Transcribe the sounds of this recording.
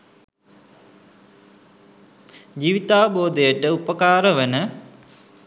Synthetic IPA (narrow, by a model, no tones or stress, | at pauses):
d͡ʒiːʋit̪aːʋəboːd̪əjəʈəupəkaːɾəʋənə